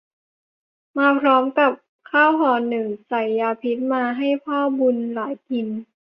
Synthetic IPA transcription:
maː˧pʰɾɔː˦˥mka˨˩p̚ | kʰaː˥˩wɦɔː˨˩nɯ˨˩ŋsa˨˩jːaː˧pʰi˦˥t̪̚maː˧ɦa˥˩jpʰɔː˥˩bu˧nlaː˩˦jki˧n

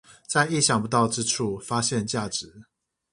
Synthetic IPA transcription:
t͡sa˥˧ɪi˥˩˨ɕjɑ˨˩ŋpu˧˦t̪ɑ˥˨ʊʈ͡ʂɻ̩˦ʈ͡ʂʰu˥˩fa˦ɕjɛ˥˨nt͡ɕja˥˩ʈ͡ʂɻ̩˨˦

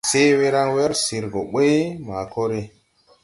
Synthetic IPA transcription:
se˦we˦ɾa˦ŋwe˦ɾsi˨ɾɡo˨ɓe˦ma˨ko˦ɾe˨

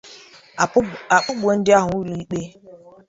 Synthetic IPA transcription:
a˨k͡pʊ˦ɡ͡bʷo˨n̩˦dɪ˦a˦ɦʊ˨u˦lu˨i˦k͡pe˦

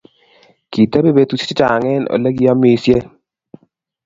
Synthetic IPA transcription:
ki˨te˦be˦be˨t̪u˦t͡ʃi̥˦t͡ʃa˨ŋɛ˦no̰˨le˦ɡi˦a˦mi˦sje˦

